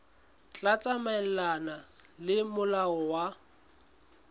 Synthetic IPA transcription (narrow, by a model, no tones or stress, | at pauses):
t͡ɬʼat͡sʼamaɛl̩lanalɪmʊlaɔwa